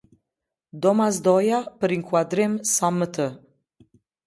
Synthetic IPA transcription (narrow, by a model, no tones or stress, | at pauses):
d̪omasd̪ojapɾiŋkwad̪ɾemsamət̪ə